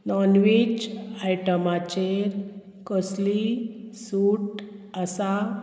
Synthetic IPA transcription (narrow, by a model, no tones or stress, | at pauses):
nɔnʋit͡ɕajʈəmat͡ɕeɾ | kəslisuʈəsa